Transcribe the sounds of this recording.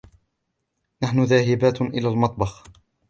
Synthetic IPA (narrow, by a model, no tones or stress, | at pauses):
naħnʊðaːhɪbaːt̪ʔɪlaːlmɑt̪ˤbɑx